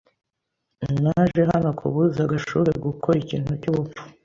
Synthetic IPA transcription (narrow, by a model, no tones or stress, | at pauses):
naʒe̞ɦanokʰṵβuzaɡaʃuβeɡukʰoɾicḭːn̥hucuβufu̥